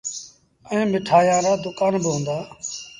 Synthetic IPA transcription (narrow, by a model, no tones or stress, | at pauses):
ẽːmɪʈʰaːjãːɾaːd̪ʊkaːnbɪɦʊ̃ːnd̪aː